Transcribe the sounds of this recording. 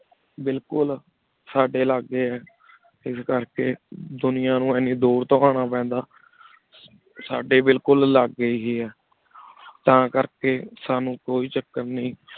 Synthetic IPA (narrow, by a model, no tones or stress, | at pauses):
bɪlkʊl | saːɖeːləɡːeːɛː | ɪskəɾkeːd̪ʊnɪjãːnũːɛːnĩːd̪oːɾt̪õːaːɽ̃aːpɛ̃ːnd̪aː | saːɖeːbɪlkʊlləɡːəiːɦeːɛː | t̪ãːkəɾkeːsaːnũːkoːiːt͡ʃəkːəɾnəĩː